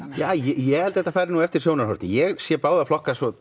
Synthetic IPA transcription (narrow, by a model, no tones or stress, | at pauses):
jaːjɛjɛhɛlt̪hɛht̪ːafaːjɾɪnuːɛft̪ɪ̥sjoːwnaɾhɔɾ̥t̪ɪjɛɣsjɛpaːwðaflɔhkasɔ